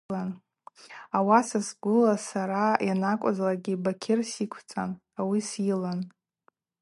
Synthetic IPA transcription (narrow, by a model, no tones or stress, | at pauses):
an | awasasɡʷʊlasaɾajʔanakʷʼazlaɡʲibakʲʰɪrsikʷʰt͡sʼa̰n | awisilan